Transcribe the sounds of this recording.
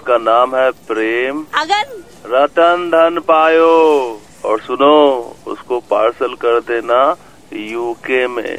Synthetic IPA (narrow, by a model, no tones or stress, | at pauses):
kanaːmɦɛpɾeːm | ɾɐt̪ənd̪ʱənpaːjoː | ɔːɾsʊnoʊ̰skopaːɾsəlkɐɾd̪eːna | juːkemḛ̃ː